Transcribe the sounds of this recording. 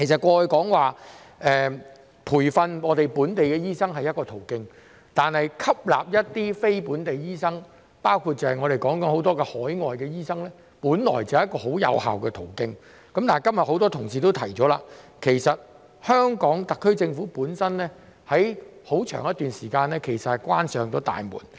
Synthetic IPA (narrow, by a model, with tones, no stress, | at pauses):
kʰe˨˩jsɐ˨t̚kʷɔː˧˨˧jkɔː˨˥ŋwaː˨ | ɛː˨ | pʰuː˨˩jfɐ˧nŋɔː˨˧t̪e˨jpuː˨˥nt̪e˨jkɛː˧jiː˥sɐ˥ŋɦɐ˨jɐ˥t̚kɔː˧t̪ʰo˨˩wkɪ˧ŋ | t̪aː˨nhɐ˨jkʰɐ˥p̚la̰ː˨p̚jɐ˥t̚t̪ːiː˥fe˥jpuː˨˥nt̪e˨jjiː˥sɐ˥ŋ | paː˥wkʰu˧t̚t͡sɐ˨whɐ˨jŋɔː˨˧ɾe˨jkɔː˨˥ŋkɐ˨˥nho˨˥wt̪ɔː˥kɛ˧hɔː˨˥jŋɔː˨jkɛː˧jiː˥sɐ˥ŋlɛː˥ | puː˨˥nlɔ̰ː˨˩jt͡sɐ˨hjɐ˥kːɔː˧ɦo˨˥wjɐ̰˨˧wha̰ː˨wkɛː˧t̪ʰo˨˩wkɪ˧ŋ | kɐ˨˥mt̪aː˨jkɐ˥mjɐ˨t̚ho˨˥wt̪ɔː˥t̪ʰʊ˨˩ŋsiː˨t̪o˥wt̪ʰɐ˨˩jt͡ʃɔː˨˥la̰ː˧kʰe˨˩jsɐ˨t̚ | hœː˥ŋkɔː˨˥ŋt̪ɐ˨kʰːɵ˥t͡sɪ˧ŋfuː˨˥puː˨˥nsɐ˥nlɛː˥ | hɐ˨˥jho˨˥wt͡ʃʰœ̰ː˨˩ŋjɐ˥t̪yː˨nsiː˨˩kaː˧nlɛː˥kʰe˨˩jsɐ˨t̚hɐ˨jkʷwaː˥nsœː˨ŋt̪o˥t̪a̰ː˨jmṵː˨˩n